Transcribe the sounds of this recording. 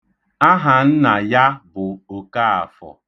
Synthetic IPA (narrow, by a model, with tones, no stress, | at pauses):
a˦ɦa˨n̩˦na˨ja˦bʊ˨o˨ka˦a̰˨fɔ̰˨